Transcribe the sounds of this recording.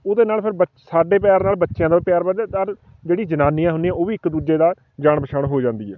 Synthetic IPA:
ʊd̪eːnaːlpʰɪɾbə | saːɖeːpjaːɾnaːlbətːʃjãːd̪aːpjaːɾbəd͡ʒɛːt̪əɾ | d͡ʒeːɽiːd͡ʒənaːnijãːɦʊnd̪ijãːoːʋiːɪkd̪uːd͡ʒeːd̪aː | d͡ʒaːɳbəʃʰaːɳɦoːd͡ʒãːnd̪iːɛː

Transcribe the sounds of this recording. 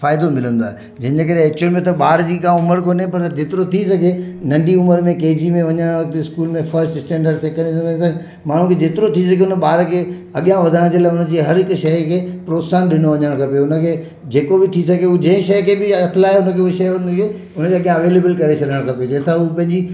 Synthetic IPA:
faːɪd̪omɪlə̃nd̪oaːɦe | d͡ʑɐ̃ɦɪ̃ɲd͡ʑekɐɾeeːk̚t͡ɕʊnmẽt̪̬ɐɓaːɾd͡ʑiːkãʊməɾkoːnepɐɾd͡ʑeːt̪ɪɾot̪ʰisɐɡʱenɐ̃ɳɖiʊməɾmẽkeːd͡ʑimẽʋɐɲəɽ̃ʋɐkt̪ɪskuːlmẽfɐɾsʈɪsʈẽːɳɖəɖsɛːkə̃ɳɖsɐ̃ | maːɳ̤ũkʰed͡ʑeːt̪ɪɾot̪ʰis̬ɐɡʱeʊnəɓaːɾkʰeː | ɐɠijãʋɐd̪ʱaːɽ̃d͡ʑeːlaːɦʊnə̆d͡ʑiːɦɐɾɦɪkʃɐjkʰeːpɾoːt̪saːnɗɪñoʋɐɲəəɽ̃kʰɐpeʊnə̆kʰeː | d͡ʑeːkobɪt̪ʰisɐɡʱeud͡ʑɐ̃ɦɪ̃ʃɐjkʰebɪɐt̪ʰɪlaːeʊnə̆kʰeːueʃɐjʊnkʰe | ʊnəkeɐɠijãɐʋeːleːbəlkɐɾet͡ɕʰɐɗəɽ̃kʰɐped͡ʑɛːsãupɐ̃ɦɪ̃ɲd͡ʑi

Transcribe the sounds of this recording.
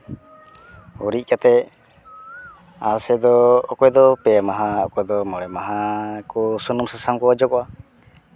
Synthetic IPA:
uɾic̚ˀkat̪ɛ | aɾsɛd̪ɔːkɔjd̪ɔpɛmaɦaakɔd̪ɔmɔɽɛmaɦakɔsɔnɔmsasamkɔad͡ʒɔkɔʔa

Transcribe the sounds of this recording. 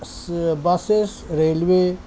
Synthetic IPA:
sbasesɾelwe

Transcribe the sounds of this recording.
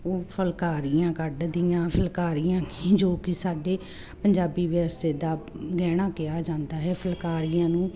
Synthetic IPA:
oːpʰəlkaːɾɪjãːkəɖd̪ɪjãːpʰəlkaːɾɪjãːkiːd͡ʒoːkɪsaːɖeː | pəɲd͡ʒaːbiːʋəst̪eːd̪aːɡɛːɽ̃aːkɪjaːd͡ʒãːnd̪aːɦɛːpʰəlkaːɾɪjãːnũː

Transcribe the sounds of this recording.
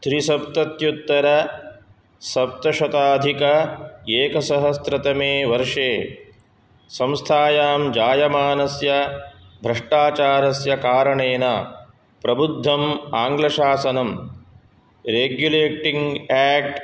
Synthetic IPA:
t̪ɾisɐp̚t̪ɐt̪jut̪ːɐɾɐ | sɐp̚t̪ɐʃɐt̪aːd̪ʱikɐeːkɐsɐɦɐst̪ɾɐt̪ɐmeːʋɐɾʂeː | sɐ̃mst̪ʰaːjaːmd͡ʒaːjɐmaːnɐsjɐ | bʱɾɐʂʈaːt͡ʃaːɾɐsjɐkaːɾɐɳeːnɐ | pɾɐbud̪ʱːɐmaːŋɡlɐʃaːsɐnɐm | ɾeːɡjuleːʈiŋɡɛːk̚ʈ

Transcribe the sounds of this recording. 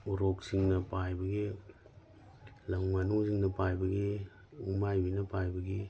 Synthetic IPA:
uɾok̚siŋnɐpajbɐɡi | lɐŋmɐnuŋziŋnɐpajbɐɡi | umajbinɐpajbɐɡi

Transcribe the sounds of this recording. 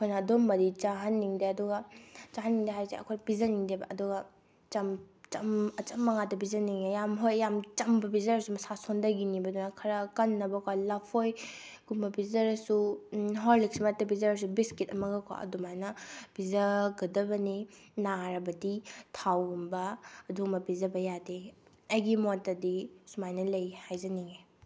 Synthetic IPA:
ɐkʰojnɐːdomːɐdit͡ʃaɦanːiŋdeɐduɡɐt͡ʃaɦanːiŋdɐɦajseɐ̰kʰojbizɐniŋdebɐʔɐduɡɐ | t͡ʃɐmt͡ʃɐmɐt͡ʃɐmːɐŋadɐbizɐniŋajamɦojjamt͡ʃɐmbɐbizɐɾɐsumɐsasondɐɡinibɐdunakʰɐɾɐkɐnːɐbɐkalɐpʰoj | ɡ̥umbɐbizɐɾɐsuɦoɾlik̚smatɐbizɐɾɐs̬ubiskitɐmɐɡɐkʰwa̰ɐ̰dumajnɐb̥izɐɡɐdɐbɐninaɾɐbɐditʰawumbɐːdumɐbizɐbɐjade | ɐjɡimotɐdisumajnɐlɐjhajzɐniŋe

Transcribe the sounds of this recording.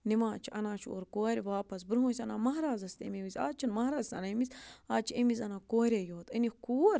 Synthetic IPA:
nimãːt͡ʃʰiʔɐnaːt͡ʃʰo̰ɾkoːɾʲʋaːpɐsbɾɦõːsʲɐnaːmɐɦɾaːzɐst̪ḛmemizʲa̰ːt͡ʃʰinmɐɦɾaːzsɐ̰nɐmizʲaːt͡ʃʰiemizɐnaːkoːɾʲejoːt̪ənʲikuːɾ

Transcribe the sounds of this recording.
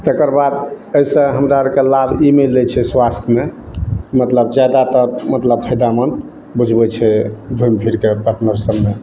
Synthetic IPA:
t̪ekəɾbad̪ | əjsə̃ɦəmɾaɾkelabʱimelːet͡ʃʰɛswast̪ʰjme | mət̪ləbd͡ʒjad̪at̪əɾmət̪ləb̚pʰəjd̪amən | bud͡ʒʱbɛt͡ʃʰɛbʱumpʰiɾkepəʈnəɾsəbːe

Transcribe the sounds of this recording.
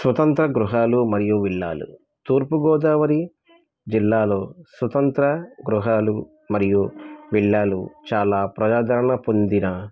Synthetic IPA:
sʋɐt̪ɐnt̪ɾɐɡɾuɦaːlumɐɾijuʋiɭːa̰ːlṵ | t̪uːɾpuɡɔːd̪aːʋɐɾi | d͡ʒilːaːlo̞ːsʋɐt̪ɐnt̪ɾɐɡɾuɦaːlu | mɐɾijuʋiɭːaːlṵt͡ʃaːlaːpɾɐd͡ʒaːd̪ɐɾɐɳɐpond̪inɐ

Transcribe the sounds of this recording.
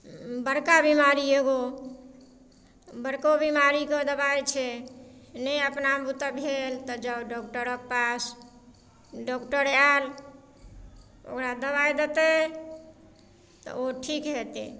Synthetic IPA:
bəɾkabimaɾieɡo | bəɾkobimaɾiked̪əbajt͡ʃʰɛ | nəəpnabut̪abʱelt̪ɔd͡ʒəbɖɔk̚ʈəɾəkpas | ɖɔkʈəɾal | o̰kɾad̪əβajd̪et̪e | t̪ɔ̰oʈʰikɦet̪ḛ

